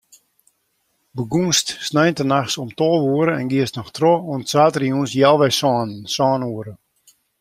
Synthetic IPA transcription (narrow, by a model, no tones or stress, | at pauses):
bəɡunstsnɛjntənaxsɔmtolˠʋuəɾəɛnɡiəstnɔxtrouəntsaːtriunsjɛlˠʋɛjsɔnsɔːnuəɾə